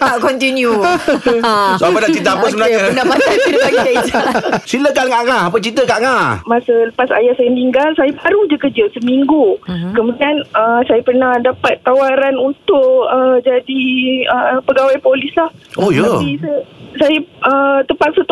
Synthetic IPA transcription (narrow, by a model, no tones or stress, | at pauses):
t̪aʔkɔnt̪inju | soapənaʔt͡ʃit̪apəsəmənaanapatakiɾəpaka | siləkanŋaʔŋahapət͡ʃit̪əkaʔŋahmasələpasa̰jaʔsajamniŋɡalsajabaɾud͡ʒakəd͡ʒəsəmiŋɡukəmudianəsajapərnahdapat̪ːawaɾanunt̪ʊʔəd͡ʒadiəpəɡawajpolislahojaapisəsajaət̪əpak̪̚sət̪